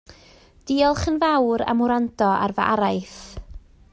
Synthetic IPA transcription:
d̥iɔlˠχənvawɾa̰mʊɾantʰɔa̰rvaa̰ɾajθ

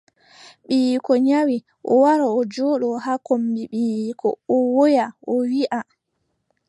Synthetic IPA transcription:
ɓiːkɔɲawi | ʔɔwaɾaɔd͡ʒɔːɗɔhakombiɓiːkʰɔ̰ɔwojaʔɔwiʔa

